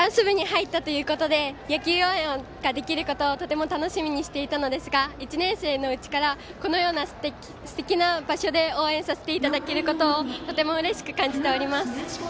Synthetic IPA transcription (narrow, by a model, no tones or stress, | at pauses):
ãɰ̃sɨβɯ̟ɲ̟ihait̪ːat̪o̞jɯ̟ːko̞t̪o̞d̪e̞jakʲjɨːjo̞ːẽɰ̃o | ɡ̥ad̪e̞kʲiɾɯ̟ko̞t̪o̞ːt̪o̞t̪e̞mo̞t̪ano̞ɕimʲiɲ̟iɕi̥t̪e̞it̪ano̞d̪e̞sɨɡait͡ɕinẽ̞ɰ̃se̞ːno̞ɯ̟t͡ɕi̥kaɾa | ko̞no̞jo̞ːnast̪e | sɨ̥t̪e̞kʲinabaɕo̞d̪e̞o̞ːẽ̞ɰ̃sase̞t̪e̞it̪ad̪ake̞ɾɯ̟kot̪o̞ːt̪o̞t̪e̞mo̞ɯ̟ɾe̞ɕi̥kɯ̟̥kãɲ̟d͡ʑit̪e̞o̞ɾʲimasɨ̥